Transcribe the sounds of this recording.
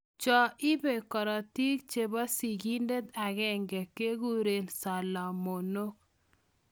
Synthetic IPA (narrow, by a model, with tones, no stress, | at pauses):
t͡ʃɔ˨ʔɪ˦be˨kɔ˨ɾa˨ti˦k̚t͡ʃe˨ba˦si˨ɡi˦nde˦t̪a˨ɣɛ˦ŋɡɛ˨ke˦ɡu˦ɾe˦˨nsa˨la˨mo˨no˦k̚